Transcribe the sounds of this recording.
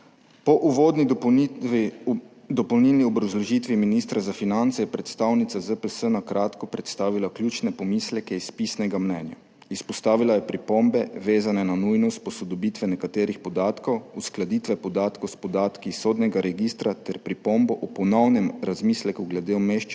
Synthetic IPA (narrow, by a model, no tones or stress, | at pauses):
pɔʔuʋoːd̪ni | d̪ɔpɔwnilniɔbɾazlɔʒit̪ʋiminist̪ɾazafinant̪sɛjɛpɾɛt̪st̪aːwnit̪sazəpəsənakɾʔaːt̪kɔpɾɛt̪st̪aːʋilaklʲjuːt͡ʃnɛpɔmislɛkɛispisnɛɡamnɛnja̰ | ispɔst̪aːʋilajɛpɾipombɛʋeːzanɛnanujnɔst̪̚pɔsɔd̪ɔbiːt̪ʋɛnɛkat̪eːɾixpɔd̪aːt̪kɔwusklad̪it̪ʋɛpɔd̪aːt̪kɔwspɔd̪aːt̪kisoːd̪nɛɡaɾɛɡist̪ɾat̪ɛɾpɾipombɔʔɔpɔnɔwnɛmɾazmislɛkuɡlɛd̪emeʃt͡ʃ